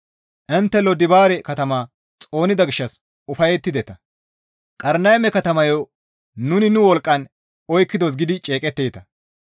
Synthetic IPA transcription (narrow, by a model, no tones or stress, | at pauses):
ʔɪnt̪ːɛlɔd̪ɪbaːɾɛkɐt̪ɐmaː | t͡sʼo̞ːnɪd̪ɐɡɪʃːɐs | ʊfɐjɛt̪ːɪd̪ɛt̪ɐ | kʼɐɾnɐjmɛkɐt̪ɐmɐjo | nʊnɪnʊwɔlkʼːɐn | ɔjkːɪd̪ɔs̬ɡɪd̪ɪt͡ʃʼe̞ːkʼɛt̪ːeːt̪ɐ